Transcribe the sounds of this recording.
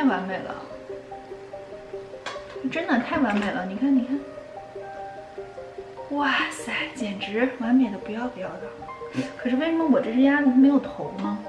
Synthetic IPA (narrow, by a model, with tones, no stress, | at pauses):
t̪ʰa˥˩ɪwa˧˥nme˨˩ɪlə̰˩ | ʈ͡ʂə˥nd̪ə˨t̪ʰa˥˩ɪwa˧˥nme˨˩ɪlə˦ni˨˩kʰa˥˩ni˨˩kʰa˥˩n | wa˥˩sa˧˥ɪt͡ɕjɛ˨˩nʈ͡ʂɻ̩˧˥wa˧˥nme˥˨˩ɪd̪ə˥pu˧˥jɑ˥˩ʊpjɑ˥˩ʊd̪ɑ˨˩kʰɤ˨˩ʂɻ̩˥˧we˥˩ɪʂə˧˥mə˧wɔ˨˩ʈ͡ʂɤ˥˩ʈ͡ʂja˥lu˧˥me˧˥ɪjo˨˩ʊt̪ʰo˧˥ʊmɐ˧